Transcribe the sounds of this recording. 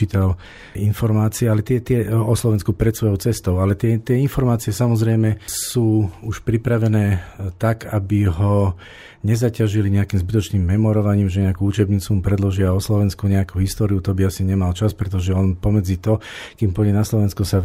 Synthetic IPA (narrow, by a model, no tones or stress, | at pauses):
iːt̪al | infɔɾmaːt͡siɛalɛt̪ɪɛt̪ɪɛɔslɔʋɛnskupɾɛt̪sʋɔjɔʊt͡sɛst̪ɔʊalɛt̪ɪɛt̪ɪɛinfɔɾmaːt͡siɛsamɔzɾɛjmɛsuːuʃpɾipɾaʋɛnɛːt̪akabiɦɔ | ɲɛzacaʒiliɲɛakiːmzbit̪ɔt͡ʃniːmːɛmɔɾɔʋaɲiːmʒɛɲɛakuut͡ʃɛbɲiːt͡sumupɾɛd̪lɔʒɪaɔslɔʋɛnskuɲɛakuɦist̪ɔːɾiut̪ɔbiasiɲɛmalt͡ʃaspɾɛt̪ɔʒɛɔnpɔmɛd͡zit̪ɔkimpɔɛnaslɔʋɛnskusa